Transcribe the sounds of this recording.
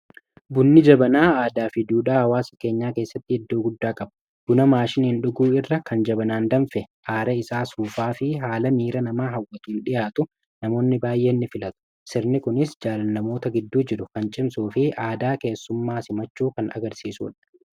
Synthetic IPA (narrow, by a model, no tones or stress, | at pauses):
bʊnːɪd͡ʒɐbɐnaːaːd̪aːfɪd̪uːᶑaːhɐwaːsɐ̥ke̞ːɲːaːke̞ːsːɐt̪ːɪɛd̪ːo̞ːɡʊd̪ːaːkʼɐbɐ | ɡ̥ʊnɐmaːʃɪnhɪnɗʊɡuːɪrːɐkɐnd͡ʒɐbɐnaːnd̪ɐnfɛʔaːɾɐɪsaːsuːfaːfɪɦaːlɐmiːɾɐnɐmaːɦɐwːɐt̪uːnɗɪjaːt̪ʊ | nɐmo̞ːnːɪbaːjʔe̞ːnːɪfɪlɐt̪ʊ̥ | sɪɾnɪkʊnɪsd͡ʒaːlɐnːɐmo̞ːt̪ɐɡɪd̪ːuːd͡ʒɪɾʊkɐnt͡ʃʼɪmsuːfɪʔaːd̪aːke̞ːsːʊmːaːsɪmɐt͡ʃːuːkɐnʔɐ̰ɡɐɾsiːsṵːᶑɐ̥